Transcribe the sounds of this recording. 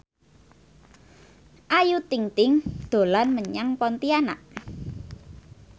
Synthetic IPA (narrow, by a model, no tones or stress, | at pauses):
ʔajut̪iŋt̪ɪŋd̪̥o̤lanməɲaŋpɔnt̪iana̰ʔ